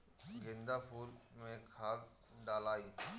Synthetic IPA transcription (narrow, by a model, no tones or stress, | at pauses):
ɡẽnd̪apʰuːlmẽkʰaːl | ɖaːlaːiː